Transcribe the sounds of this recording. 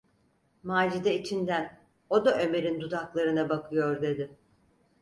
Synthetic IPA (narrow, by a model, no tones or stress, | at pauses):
maːd͡ʒid̪ɛit͡ʃʰind̪æn | o̞d̪aʔø̞me̞ɾind̪ud̪aklˠaɾɯnabakʰɯjo̞ɾd̪e̞d̪ɪ